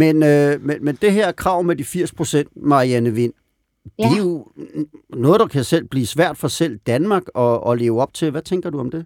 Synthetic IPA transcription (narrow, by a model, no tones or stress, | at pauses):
menømenmend̥e̝ɦeɐ̰kʰʁɑ̈ʊmed̥ifiɐ̰spʰʁo̝sen̰d̥mɑ̈iænəʋe̝n̰ | d̥e̝jo̝ | nɔ̽ːð̩ˠd̥ɑ̈kʰæsel̰b̥liːsʋæɐ̰d̥fɒ̽sel̰d̥ænmɑ̈ːɡ̥ɒ̽ɒle̝ːʊɒ̽b̥̚t͡sʰe̝lʋæt͡sʰeŋɡ̥ɐduɒ̽md̥e̝